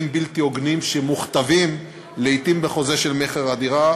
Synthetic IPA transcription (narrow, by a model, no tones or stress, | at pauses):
mbilt̪io̞ɡnimʃemuχt̪avim | leit̪imbeχo̞ze̞ʃelmeχeʁad̪iʁa